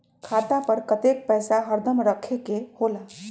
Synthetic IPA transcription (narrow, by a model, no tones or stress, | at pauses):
kʰat̪apəɾkət̪ek̚pɛjsaɦəɾd̪əmɾəkʰekehola